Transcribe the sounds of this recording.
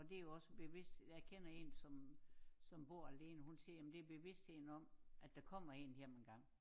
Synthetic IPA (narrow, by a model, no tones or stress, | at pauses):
ɒ̽d̥e̝æjo̝ɒ̽səb̥e̝ʋe̝sd̥jɑkʰen̰ɐe̝̰nsɒ̽msɒ̽mb̥o̝ɐ̰æle̝ːnəhunsiɐjæmnd̥e̝ɐb̥e̝ʋe̝sd̥he̝ðn̩ɒ̽mʔæd̥ɑ̈kʰɒ̽m̰ɐe̝ːnjem̰enɡ̥ɑ̈ŋ̰